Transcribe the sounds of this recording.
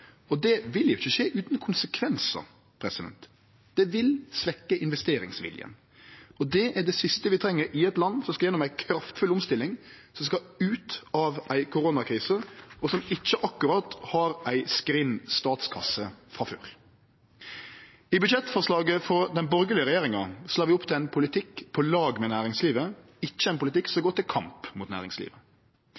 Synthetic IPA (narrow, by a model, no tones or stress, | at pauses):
ɔd̪ɛʋɪljʊɪçːəʂeːʔʉːt̪nkʰʊnsəkʰʋɛnsə̰ | pʰɾɛsɪd̪ɛ̰nt̪ | d̪̥ɛʋɪlsʋɛkːəʔɪnʋɛst̪eːɾɪ̰ŋsʋɪ̰ljə̰n | ɔd̪ɛʔæɖɛsɪst̪əʋɪt̪ʰɾɛŋːəɾɪɛt̪lɑnːsɔmskɑjɛnːɔmæɪkʰɾɑft̪fʉlʊmst̪ɪlːɪŋsɔmskɑʉːt̪ɑːʋæɪkʰʊɾoːnɑkʰɾiːsəɔsɔmɪt͡ʃːəʔɑkːʉɾɑt̪hɑɾæɪskɾɪnst̪ɑːt̪skʰɑ̰səfɾɑfø̰ːɾ | ɪbʉd̪ʃɛt̪ːfɔʁʂlɑːɡəfɔɾd̪ɛnbɔɾɡəlɪəɾɛjeːɾɪŋɑslɑːɾʋɪʊpːt̪ʰɪlæɪnpʰʊlɪt̪ʰɪkpʰɔlɑːɡmɛnæːɾɪŋsliːʋə | ɪt͡ʃːəæɪnpʰʊlɪt̪ɪkːsɔmɡoːt̪ɪlkʰɑmpmʊːt̪næ̰ːʁɪ̰ŋslḭːʋə